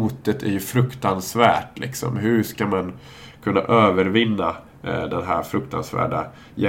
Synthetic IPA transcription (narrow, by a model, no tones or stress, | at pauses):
uːt̪ət̪ʰæɾjɵfɾɵkt̪ansvæːʈlʔɪ̰ksɔ̰mɦɵʂkaman | kʰɵnːa̰ʔøːvəɾvɪnːa | d̪ɛnɦæːɾfɾɵkt̪ʰa̰nsvæ̰ːɖa̰ | jɛ